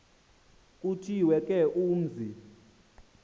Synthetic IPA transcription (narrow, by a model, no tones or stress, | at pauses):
k̬ʼutʰiwɛkʼɛʔuːm̩zi